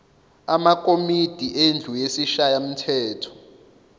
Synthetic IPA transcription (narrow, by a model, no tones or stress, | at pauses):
amakʼomid̥ʱiʔend͡ɮʱujesiʃajam̩tʰɛːtʰɔ̥